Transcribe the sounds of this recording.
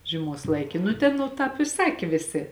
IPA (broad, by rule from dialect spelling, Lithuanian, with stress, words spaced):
ʒʲiɛˈmoːs ˈlˠɐɪkʲɪ nʊ ˈtʲɛn nʊ ˈtɑːp ɪ ˈsɑːkʲeː ˈʋʲeːˌsʲeː